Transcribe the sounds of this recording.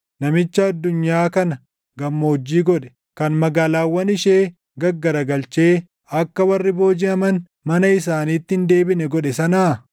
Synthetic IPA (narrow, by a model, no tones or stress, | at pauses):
nɐmɪt͡ʃːɐɐd̪ːʊɲːaːkɐnɐ | ɡɐmːoːd͡ʒːiːɡɔᶑɛ̥ | kɐnmɐɡaːlaːwːɐnɪʃeː | ɡɐɡːɐɾɐɡɐlt͡ʃe̞ː | ɐkːɐwɐrːɪbo̞ːd͡ʒɪɐmɐn | mɐnɐɪs̬aːniːt̪ːɪɪnd̪e̞ːbɪnɛɡɔɗɛsɐnaː